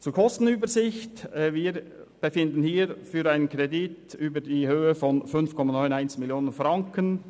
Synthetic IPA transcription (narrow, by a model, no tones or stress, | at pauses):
t͡suːkʰɔst̪n̩yːbəɾzɪçtɛviːɾ | b̥efɪndən̩hiːɾfyːɾaɪnənkɾɛdityːbəɾdiːhøːəfɔnfʏnfkʰɔmɑnɔʏnaɪnsmɪljoːnənfɾɑŋkən